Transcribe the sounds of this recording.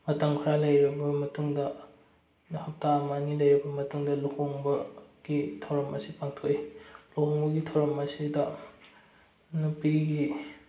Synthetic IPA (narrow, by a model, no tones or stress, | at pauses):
mɐtɐŋkʰɐɾalɐjɾɐbɐmɐtuŋdɐ | nhɐp̚taɐmɐːnilɐjɾɐbɐmɐtuŋdɐlukoŋbɐɡ̥itʰɐwɾɐmɐsipaŋtʰoilukoŋbɐɡitʰɐwɾɐmɐsidɐ | nupiɡi